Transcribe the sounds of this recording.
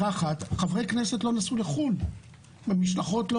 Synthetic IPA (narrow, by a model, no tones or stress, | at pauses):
aχat̪χavʁe̞jkne̞setlo̞nasuleχun | mamiʃlaχo̞tlo